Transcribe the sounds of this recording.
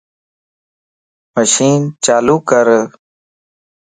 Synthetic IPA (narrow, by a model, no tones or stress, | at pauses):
məʃiːnt͡ʃaːluːkəɾ